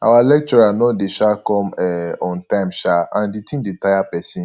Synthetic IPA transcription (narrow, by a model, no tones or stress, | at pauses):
a̰walɛk̚t͡ʃɔɾanɔ̃deʃakɔ̃mɛɔ̃ntãmʃaãn̩ditĩnditajapɛsĩ